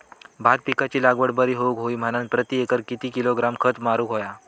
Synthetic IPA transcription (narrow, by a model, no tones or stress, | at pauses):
bʱat̪̚pikat͡ɕiːlaɡʋəɽbəɾiːɦoukɦoiːm̤əɽ̃ãn̚pɾət̪iekəɾkit̪iːkiloɡɾamkʰət̪maɾuːkɦoja